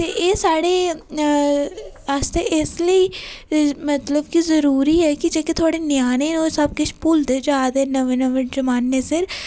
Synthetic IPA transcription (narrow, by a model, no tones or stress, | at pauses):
t̪eːʔeːsaːɽeː | aːst̪eʔesləiː | mət̪ləbkizəɾuːɾiːɛːkɪd͡ʒeːket̪ʰʊaːɽeːnɪjaːneːoːsəb̚kʊt͡ʃʰpʊld̪d͡ʒaːd̪eːnəʋenəʋəd͡ʒəmaːnːeːsɪɾ